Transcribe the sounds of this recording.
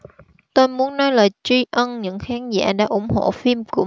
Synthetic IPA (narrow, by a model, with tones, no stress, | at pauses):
t̪o˧jmu˨˦ənːɔ˨˦jlaː˨˩t͡ɕi˧ʔə˧nɲɨ̰˧˥ŋxaː˨˦nza̰ː˧˥ɗa̰ː˧˥ʔʊ˧˩ŋ͡mho̰˧˨fi˧mkʊ̰˧˥